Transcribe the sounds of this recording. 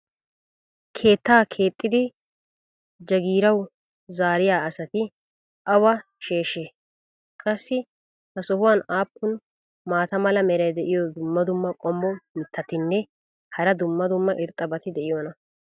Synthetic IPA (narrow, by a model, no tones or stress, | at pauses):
kʰe̞ːt̪ːaːkʰe̞ːt̪ʼːɪd̪ɪ | d͡ʒɐɡiːɾɐw | zaːɾɪjaːɐsɐt̪ɪ | ʔɐwɐ | ʃe̞ːʃe | kʼɐsːɪ | hɐsɔhʊwanaːpːʊn | maːt̪ɐmɐlɐmɛɾɐjd̪ɛʔɪjɔd̪ʊmːɐd̪ʊmːɐkʼɔmːɔmɪt̪ːɐt̪ɪnːɛ | hɐɾɐd̪ʊmːɐd̪ʊmːɐʔɪɾt̪ʼːɐbɐt̪ɪd̪ɛʔɪjɔnɐ